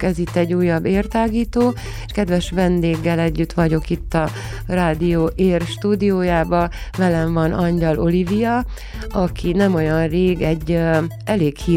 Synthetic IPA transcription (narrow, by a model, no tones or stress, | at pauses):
kɛzit̪ːɛɟːuːjːɒbːeːrt̪aːɡiːt̪oː | ʃkɛd̪ʋɛʃʋɛnd̪eːɡːɛlɛɟːyt̪ʋɒɟo̞kit̪ːɒ | raːd̪ijoːʔeːrʃt̪uːd̪ijoːjaːbɒvɛlɛɱvɒnʔɒɲɟɒlo̞livijɒ | ɒkʰinɛmo̞jɒnreːɡɛɟː | ɛleːkhiː